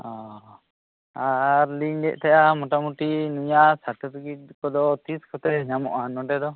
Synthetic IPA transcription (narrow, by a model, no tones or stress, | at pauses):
ɔ | aɾliɲɖɛʔˀt̪ʰɛjamɔʈamuʈinujasaʈəɾɡiʈ̚kɔd̪ɔt̪iskʰɔt̪ɛɲamɔ̰ʔanɔɖɛd̪ɔ